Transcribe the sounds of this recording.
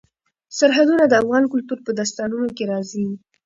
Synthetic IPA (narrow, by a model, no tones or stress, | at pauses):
saɾɦad̪unad̪əafɣɑnkʊlt̪uɾpəd̪as̬t̪ɑnunokeɾɑzi